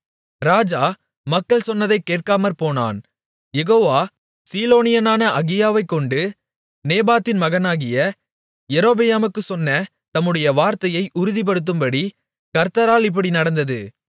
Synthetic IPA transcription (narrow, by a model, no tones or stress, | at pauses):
ɾaːd͡ʒaː | mɐkːɐɭsɔnːɐðɐɪkːeːʈ̚kaːmɐɾpoːna̰ːn | jɛɣoːʋaː | siːloːnɪjɐnaːnɐʔɐɣɪjaːʋɐɪkːɔɳɖɯ | neːbaːt̪ːɪnmɐɣɐnaːɣɪjɐ | jɛɾoːbɛjaːmɯkːɯsɔnːɐ | t̪ɐmːɯɽɐjɐʋaːɾt̪ɐjɐɪʔʊɾʊðip̬ɐɽɯt̪̬ːɯmbɐɽi | kɐɾt̪ɐɾaːlɪp̬ːɐɽinɐɽɐnd̪ɐðɯ